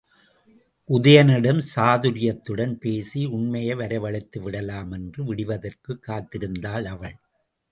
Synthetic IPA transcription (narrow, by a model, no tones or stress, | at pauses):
ʔʊðɐjɐnɪɽɐmsaːðɯɾɪjɐt̪ːɯɽɐnpeːsiʊɳmɐjɐʋɐɾɐɪʋɐɭɪt̪ːɯʋɪɽɐlaːmɛndrɯʋɪɽɪʋɐðɐrkɯkːaːt̪ːɪɾɯnd̪aːlɐʋɐɭ